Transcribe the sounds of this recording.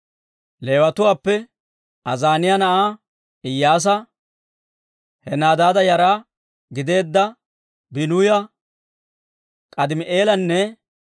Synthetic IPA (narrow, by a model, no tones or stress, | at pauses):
le̞ːwɐt̪ʊwaːpːɛ | ɐzaːnɪjɐnɐʔaː | ɪjːaːs̬ɐ | hɛnaːd̪aːd̪ɐjɐɾaː | ɡɪd̪e̞ːd̪ːɐ | bɪnuːjɐ | kʼɐd̪ɪmɪʔe̞ːlɐnːɛ